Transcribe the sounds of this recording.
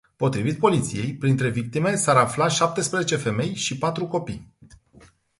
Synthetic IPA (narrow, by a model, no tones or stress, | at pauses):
po̞t̪ɾivit̪̚po̞lit̪sije̞jpɾint̪ɾe̞vik̚t̪ime̞saɾaflaʃap̚t̪e̞spɾezet͡ʃe̞fe̞me̞jʃipat̪ɾuko̞pḭj